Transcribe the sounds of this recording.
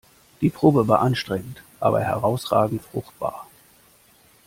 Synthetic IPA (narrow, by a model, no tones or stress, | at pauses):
d̥iːpʁ̥oːbəvaːɐʔanʃtʁ̥ɛŋən̩tʔa̰ːbɐ̰hɛ̰ʁaʊsʁaːɡŋ̩tfʁ̥ʊ̰xt̚b̥a̰ːɐ